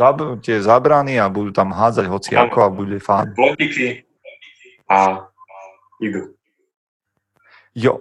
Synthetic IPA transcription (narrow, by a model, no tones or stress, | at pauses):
atɪɛzabɾaniabud̪uːt̪amɦaːd͡zaɟɦɔt͡sia̰kɔabuɟɛfaːnɔkiki | a | iɡu | jɔ̰